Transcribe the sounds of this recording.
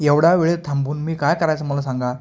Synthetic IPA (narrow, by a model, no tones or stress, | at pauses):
jɛwɽaʋeɭet̪ʰɐmbunmiːkajkɐɾajt͡sɐmulasaŋɡa